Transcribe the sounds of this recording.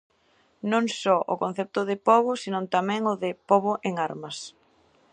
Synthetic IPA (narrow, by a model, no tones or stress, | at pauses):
nõŋsɔʔʊ̰kõn̟θɛp̚t̪ʊðɪpɔβʊsinõnt̪amɛ̃ŋʊðɪpɔβʊʔeŋaɾmɐs